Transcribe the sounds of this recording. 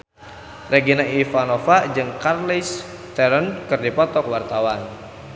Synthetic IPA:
rʔeɡinaifanɔfad͡ʒɨŋkarlis | t̪ɛɾənkɨrdipɔt̪ɔkwart̪awan

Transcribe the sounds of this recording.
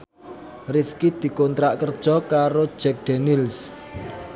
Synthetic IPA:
rifkid̪̥i̤kont̪ɾaʔkərd̥ʒ̥ɔkaɾod̥d͡ʒ̥ɛk̚d̪̥ɛnils

